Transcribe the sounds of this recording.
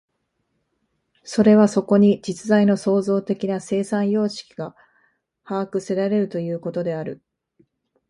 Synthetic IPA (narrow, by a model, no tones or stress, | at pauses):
so̞ɾe̞β̞aso̞ko̞ɲ̟id͡ʑit͡sɨzaino̞so̞ːzo̞ːt̪e̞kʲinase̞ːsãɰ̃jo̞ːɕi̥kʲi̥ɡa | haːkɯ̟se̞ɾaɾe̞ɾɯ̟t̪o̞jɯ̟ːko̞t̪o̞d̪e̞aɾɯ̟